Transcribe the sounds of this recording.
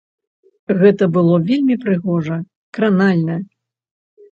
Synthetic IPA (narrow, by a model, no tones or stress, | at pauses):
ɣɛt̪ɐbɨlˠɔvʲelʲmʲipɾɨɣɔʐɐ | kɾanalʲnɐ